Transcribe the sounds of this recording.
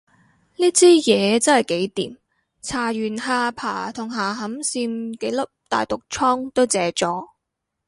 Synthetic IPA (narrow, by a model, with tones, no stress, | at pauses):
niː˥t͡sʰiː˥jɛː˨˧t͡sɐ˥nhɐ˨˩jke˨˥jt̪ḭː˨˩m | t͡sʰaː˨˩ɥyː˨˩nɦaː˧pʰaː˨˩t̪ʰʊ˨˩ŋɦaː˨˩ɦɐ˨˥msiː˧mke˨˥jlɐ˥p̚t̪a̰ː˨jt̪ʊ˨k̚t͡ʃʰɔː˥ŋt̪o˥wt͡sɛː˨˧t͡sɔː˨˥